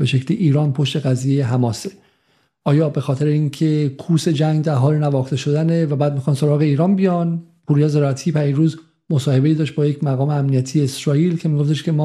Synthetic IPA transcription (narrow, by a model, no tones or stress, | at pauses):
b̥e̞ʃe̞cʰliʔiːɾɒːnpʰo̞ʃt̪e̞ɣæzijejeɦæmɒːse | ʔɒːjɒːbe̞xɒːt̪ʰe̞ɾeiŋcʰe̞kʰuːse̞d͡ʒæŋɡd̪æɾɦɒːlenævɒːxt̪e̞ʃo̞d̪æne̞væbæːd̪̚mixɑːnso̞ɾɒːɣeiːɾɒːnbijɒnpʰuːɾijɒːzeɾɒt̪ʰiːpæiɾuːz | mosɒːhe̞be̞jiːd̪ɒːʃt̪̚bɒːjecmæɣɒːmeæmnijæt̪ʰije̞ːsɾɒːiːlcʰe̞miːɡo̞ft̪eʃcʰe̞mɒː